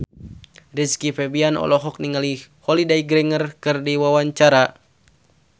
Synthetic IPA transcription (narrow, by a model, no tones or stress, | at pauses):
riskifɛbianʔɔ̰lɔɦɔk̚niŋalihɔlidaiɡɾɛŋərkɨrdiwawaɲt͡ʃaɾa